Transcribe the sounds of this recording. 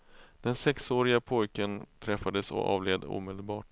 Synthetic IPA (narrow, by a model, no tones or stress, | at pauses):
d̪̥ɛnsɛksoːɾɪɡapʰɔjkənt̪ʰɾɛfːad̪əsɔ̰ɑ̰ːvleːd̪ə̰ṵːmɛd̪əlbɑːʈ